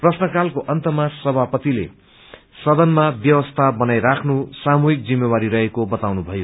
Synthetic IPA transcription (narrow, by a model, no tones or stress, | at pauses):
prʌsnʌkalkoʔʌnt̪ʌmasʌbʱapʌt̪ilḛ | sʌd̪ʌnmabjʌwʌst̪ʰabʌnajɾakʰnusamuɦik̚d͡zimːewaɾiɾʌɦekobʌt̪awnubʱʌjo